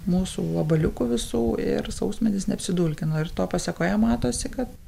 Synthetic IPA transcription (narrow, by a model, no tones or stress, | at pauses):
muːsṵːɐbɐlʲʊkuʋʲɪsuːɪ̰ɾsɐʊsʲmʲɛnʲɪsnʲɛɐpʲsʲɪd̪uːlʲkʲɪnoːɪrt̪oːpɑsʲɛkoːjɛmɑːt̪oːsʲɪkɐt̪